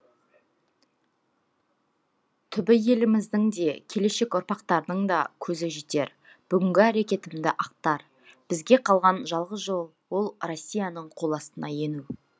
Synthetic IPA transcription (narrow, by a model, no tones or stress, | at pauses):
t̪ʰʏbɪje̞lɪmɪzd̪ɪŋd̪e̞kʲʰe̞le̞ʃe̞kʊɾpɑqt̪ɑɾəd̪əɴd̪ɑ̰kʲʰɵzɪʒit̪e̞ɾ | b̥ʏɡʲɪŋɡʲɪæɾe̞kʲe̞t̪ɪmd̪ɪʔɑq̚t̪ɑɾ | b̥ɪzɡʲe̞qʰɑlˠʁɑnʒɑlˠʁəzʒo̞lˠwo̞lˠro̞sʲːijanəɴqʰo̞lˠɑst̪ənɑje̞nuw